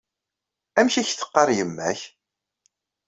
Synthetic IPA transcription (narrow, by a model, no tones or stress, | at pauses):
æmçiçθə̥qːɑɾˤjəmːæ̰ç